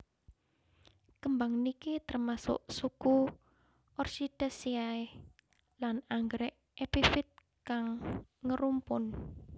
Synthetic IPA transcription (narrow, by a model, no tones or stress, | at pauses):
kəmbaŋnikit̪ərmasʊ̰ʔsuku | ʔɔrsid̪̥asiae | lanaŋɡɾɛʔ | ʔepifɪt̪̚ | kaŋːəɾumpʊn